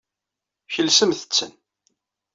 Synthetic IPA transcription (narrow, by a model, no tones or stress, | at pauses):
çəlsəmθə̥t͡sːə̰n